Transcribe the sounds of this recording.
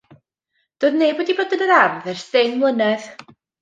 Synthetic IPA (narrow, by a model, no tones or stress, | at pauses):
d̥oːðnejboːdibodənəɾarðɛrsdɪŋmlˠənɛð